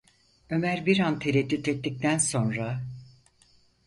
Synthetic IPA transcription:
ø̞mæɾbiɾant̪ʰeɾɛd̪ːyt̪et̪ːic̚t̪ʰænso̞nɾa

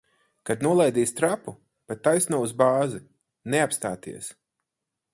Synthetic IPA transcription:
kad̪nuɔlˠajd̪iːst̪ɾapu | pat̪ːajsnuɔuzbaːzi | neapst̪aːt̪ḭɛs

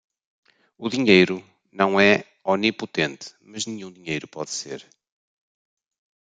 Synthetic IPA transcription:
uðiɲejɾu | nɐ̃w̃ɛ | ɔniput̪ẽnt̪ɨ̥mɐʒnɨ̃ɲũd̪iɲejɾupɔðsḛɾ

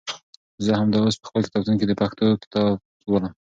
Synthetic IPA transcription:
zəhamd̪ɑospə̥xpəlkɪ̥t̪ɑb̚t̪unked̪əpaxt̪ʰokɪ̥t̪ɑb̚ | wəlam

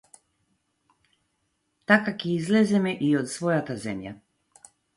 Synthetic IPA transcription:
t̪akakɛizlɛzɛmɛʔiɔt̪svɔjat̪azɛmja̰

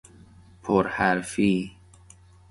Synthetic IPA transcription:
pʰoɾhæɾfiː

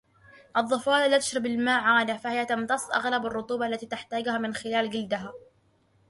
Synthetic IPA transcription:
ʔɑðˤːɑfɑːllːaːt̪ʊ̥ʃɾˤɑbalmaːʔʕaːd̪afahɪjat̪ɑmt̪ɑsˤʔa̰ɣlabɑrˤːʊt̪ˤuːbɑʔalːat̪iːt̪aħt̪aːɡʊhaːmɪnxɪlaːlɡɪld̪ɪɦaː

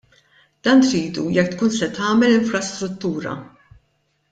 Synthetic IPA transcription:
d̪̥ɐːnt̪ɾiːd̪ujɛkt̪kuːnsɛt̪ɐːmɛlɪɱfɾɐst̪ɾʊt̪ːuːɾɐ̰

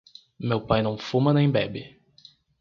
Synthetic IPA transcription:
mewpajnɐ̃w̃fũmɐnẽj̃bɛbɪ

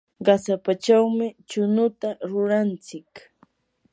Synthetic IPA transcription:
ɢɑsapat͡ʃawmɪt͡ʃʊnʊt̪aɾʊɾant͡sɪk

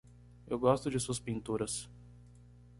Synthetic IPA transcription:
ewɡɔst̪ʊd͡ʒɪsuɐspĩnt̪uɾɐs

